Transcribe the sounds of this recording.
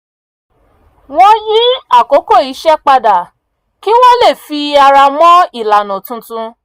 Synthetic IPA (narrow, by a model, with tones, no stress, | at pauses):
w̃ɔ̃˧ji˦a˦˨ko˨˦ko˦˨i˨˦ʃɛ˦k͡pa˧da˨ | ki˦w̃ɔ̃˦le˦˨fi˧a˧ɾa˧mɔ̃˦i˦˨la˨nɔ̃˨tũ˧tũ˧